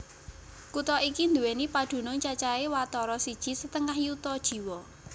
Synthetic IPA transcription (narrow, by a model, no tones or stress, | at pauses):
kut̪ɔʔikind̪uwenipad̪̥ṳnʊŋt͡ʃat͡ʃaewat̪ɔɾɔsid̥ʒ̥i̤sət̪əŋahjut̪ɔd̥ʒ̥i̤wɔ